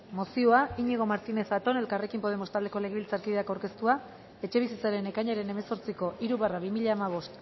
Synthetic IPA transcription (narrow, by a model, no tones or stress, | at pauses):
mosio̞aiɲeɣ̞o̞maɾt̪ine̞sat̪o̞ne̞lkare̞kimpo̞e̞mo̞st̪ald̪e̞ko̞le̞ɣ̞eβilt͡saɾkiðeakawɾke̞st̪ua | e̞t͡ʃe̞β̞isit͡saɾe̞ne̞kaɲaɾe̞ne̞me̞so̞ɾt͡siko̞ʔiɾuβaraβimiʎaːmaβ̞o̞st̪